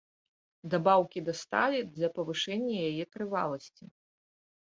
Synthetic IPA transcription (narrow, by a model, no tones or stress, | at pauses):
d̪abawkʲid̪ast̪a̰lʲid̪lʲɐpɐvɨʂɛnʲːɐjajɛt̪ɾɨva̰lˠɐsʲt͡sʲi